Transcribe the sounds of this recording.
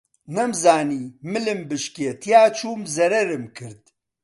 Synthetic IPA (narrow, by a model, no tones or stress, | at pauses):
nɐmzaːniːmɨlɨmbɨʃkeːt̪ʰijaːt͡ʃʰuːmzɐɾɐɾɨmkʰɨɾd̪